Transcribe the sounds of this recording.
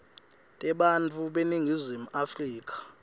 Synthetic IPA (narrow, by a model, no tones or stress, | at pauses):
tʼɛɓant͡fʰʼuɓeniŋɡʱizimuafriːk̬ʼḁ